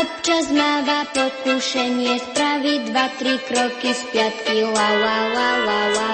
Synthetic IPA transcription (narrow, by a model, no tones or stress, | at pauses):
ɔp̚t͡ʃazmaːʋapɔkuʃɛɲɪɛspɾaʋid̪ʋat̪ɾikɾɔkispɪat̪kilawalalawa